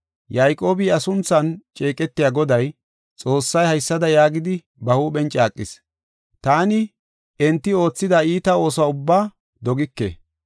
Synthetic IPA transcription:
jɐjkʼo̞ːbɪɐsʊnt͡sːɐnt͡ʃʼe̞ːkʼɛt̪ːɪjaːɡɔd̪ɐj | t͡sʼo̞ːsːɐjhɐjsːɐd̪ɐjaːɡɪd̪ɪ | bɐhuːɓɛnt͡ʃʼaːkʼːɪ̰s | t̪aːnɪ | ɛnt̪ːɪo̞ːt͡sːɪd̪ɐiːt̪ɐo̞ːsaʊbːaː | d̪ɔɡɪkːḛː

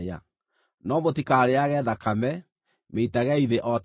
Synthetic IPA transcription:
a̰ | nɔmotikaɾeaɣɛːðakamɛ | meitaɣɛiðeʔɔt

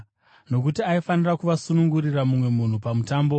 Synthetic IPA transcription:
no̞k̬utiaifanirakuʋasunuŋɡuriramumwe̞mun̤upamutaːmbo

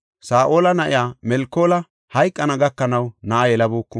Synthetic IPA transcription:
saːʔoːlɐnɐʔɪjaːmɛlkːoːlɐ | hɐjkʼːɐnɐɡɐkːɐnɐwnɐʔɐjɛlɐboːkːʊ

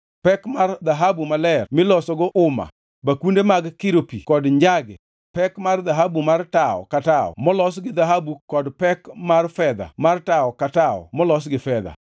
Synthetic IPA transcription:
pɛkmard̪aɦabumalɛrmɪlɔsɔɡɔʔʊma̰ | bakundemaɡkɪɾopikɔdɲd͡ʒaɡɛ̰ | pɛkmarðaɦabumartaɔ̰kataɔ̰mɔlɔs̬ɡɪd̪aɦabukɔdpɛkmarfɛd̪a̰martaɔkataɔ̰mɔlɔs̬ɡɪfɛd̪a̰

